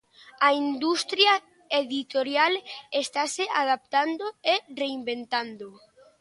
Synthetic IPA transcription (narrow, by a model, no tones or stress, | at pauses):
aind̪ust̪ɾja | eðit̪oɾjalest̪aseað̞ap̚t̪and̪oereimbent̪and̪o